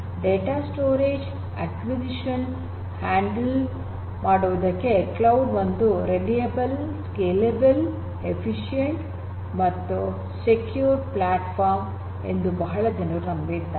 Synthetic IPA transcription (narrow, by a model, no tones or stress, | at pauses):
ɖeːʈaːsʈoːɾeːd͡ʒ | ɐ̰kʋid͡ʒiʃɐn | haːɳɖɐl | maːɽuʋɐd̪ɐkːeklɐwɖbɐnd̪uɾeɖijebɐlskeːlebɐl | epʰiʃijeɳʈ | mɐt̪ːu | sekjuːɾplaːʈpʰaːɾm | ḛnd̪ubɐɦɐɭɐd͡ʒɐnɐɡut̪ɐmbid̪ːa